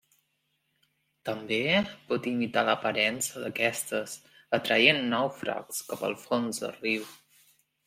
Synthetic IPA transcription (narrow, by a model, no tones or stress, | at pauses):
t̪əmbepɔt̪imit̪aləpəɾɛnsəðəkɛst̪əs | ət̪ɾəenːɔwfɾa̰kskapə̰lˠfonzd̪ə̰riw